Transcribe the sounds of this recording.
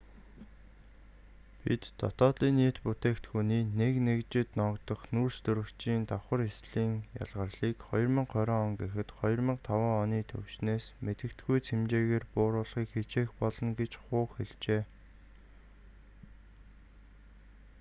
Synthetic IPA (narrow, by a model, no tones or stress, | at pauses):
pit̪ːɔ̰t̪ɔːt̪ɮiːnːiːt̪put̪eːkt̪xuniːneknekt͡ɕɪ̆t̪nɔkt̪ɞ̆χnurst̪ɵɾɵ̆kt͡ɕiːnt̪awχə̆resɮiːŋja̰ɮʁə̆rɮiːkχɔjɞ̆rmə̆ɴqʰœɾɔːɔŋɡexɘ̆t̪χɔjɞ̆rmə̆ɴqt̪ʰawaːɔniːt̪ʰɵ̰wʃneːsmet̪ɘ̆kt̪ɡujt͡sʰemt͡ɕeːɣeːrpʊːɾʊːɮχiːkxet͡ɕeːxpɔɮɞ̆nɡet͡ɕχʊːχxeɮt͡ɕeː